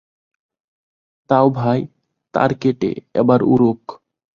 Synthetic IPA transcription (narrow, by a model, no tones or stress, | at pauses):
t̪awbʱaj | t̪a̰ɾkeʈḛɛ̰baɾuɾok